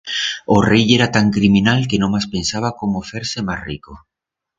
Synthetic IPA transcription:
orejeɾat̪aŋkɾimĩnalkenõmaspensaβ̞akomofeɾsemasrḭko

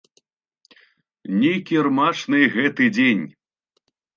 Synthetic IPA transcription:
nʲejkʲirmat͡ʂnɨjɣɛt̪ɨd͡zʲenʲ

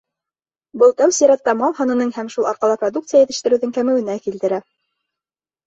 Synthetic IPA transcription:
bɤlˠt̪æwsijɾɑt̪ːɑmɑlˠɦɑnɤ̆nɤɴhæmʃulˠʔɑɾqɑlˠɑprod̪uk̚t̪sɨjajɘ̆t̪ɘ̆ʃt̪ɘ̆ɾɘ̆wðɘŋkæmɘ̆wɘ̆nækilt̪ɘ̆ɾæ

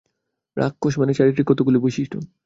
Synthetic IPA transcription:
ɾʔa̰kːoʃmanet͡ɕaɾit̪ɾikɔt̪oɡulobojʃiʃʈʰo̰

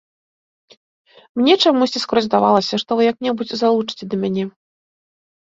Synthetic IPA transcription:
mnʲɛt͡ʂamusʲt͡sʲiskɾɔzʲd̪avalˠɐsʲɐʂt̪ɔvɨjɐk̚nʲɛbut͡sʲzalˠut͡ʂɨ̥t͡sʲɛd̪ɐmʲanʲɛ

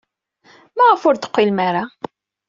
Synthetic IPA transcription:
mæʁəfʊɾt̪ə̥qʷːilmaɾa

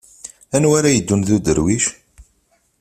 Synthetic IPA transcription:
ænwæɾajəd̪ːunðud̪əɾwiʃ

